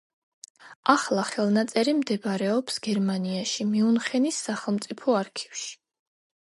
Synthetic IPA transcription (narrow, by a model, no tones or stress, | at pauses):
aχlˠaχɛlˠnat̪sʼɛɾimd̪ɛbaɾɛɔpsɡɛɾmaniaʃimiunχɛnisːaχɛlˠmt̪sʼipʰɔaɾkʰi̥vʃi̥